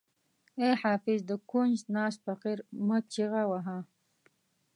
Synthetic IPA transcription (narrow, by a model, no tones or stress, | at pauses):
eħaːfɪzd̪əkund͡ʒnɑːs̚faqiɾmət͡ʃiɣawaɦã